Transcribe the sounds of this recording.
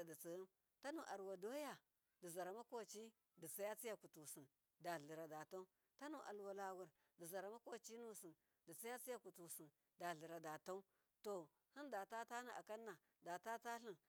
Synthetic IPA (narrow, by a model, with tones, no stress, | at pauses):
di˨t͡si˨˦m | ta˦nu˨ʔa˨ɾwa˨do˦ja˨ | di˨za˨ɾa˨ma˦ko˦˨t͡ʃi˦ | di˨t͡sa˦ja˦t͡si˦ja˨ku˨tu˨si˨n | da˨ɮi˨ɾa˨da˨ta˦u˦ | ta˦nu˦˨ʔa̰˨lwa˨la˨wu˨ɾ | di˨za˨ɾa˨ma˦ko˦˨t͡ʃi˦nu˦si˨n | di˨t͡sa˦ja˦t͡si˦ja˦ku˨tu˨si˨n | da˨ɮi˨ɾa˨da˨ta˦u˦ | to˨ | hi˦nda˨ta˦ta˦ni˨ʔa˨ka˦nːa˨ | da˨ta˦ta˦ɬi˨n